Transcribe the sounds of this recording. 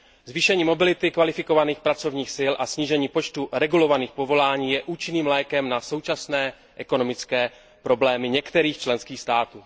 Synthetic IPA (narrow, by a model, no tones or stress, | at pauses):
zviːʃɛɲiːmo̞bɪlɪt̪ɪkvalɪfɪko̞vaniːxpɾat͡so̞vɲiːxsɪlʔasɲiːʒɛɲiːpo̞t͡ʃt̪uɾɛɡulo̞vaniːxpo̞vo̞laːɲiːjɛʔuːt͡ʃɪniːmlɛːkɛmnaso̞wt͡ʃasnɛː | ʔɛko̞no̞mɪt͡skɛː | pɾo̞blɛːmɪɲɛkt̪ɛɾiːxt͡ʃlɛnskiːxst̪aːt̪uː